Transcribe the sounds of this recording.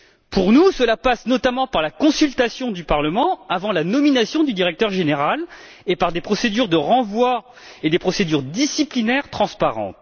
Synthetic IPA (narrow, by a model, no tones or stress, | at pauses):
puʁnusəlapasnɔt̪amɑ̃paʁlakɔ̃sylt̪asjɔ̃d̪ypaʁləmɑ̃avɑ̃lanɔminasjɔ̃d̪yd̪iʁɛk̚t̪œʁʒeneʁal | epaʁd̪epχɔsed̪yʁd̪əʁɑ̃vwa | ed̪epχɔsed̪yʁd̪isiplinɛʁt̪χɑ̃spaʁɑ̰̃t̪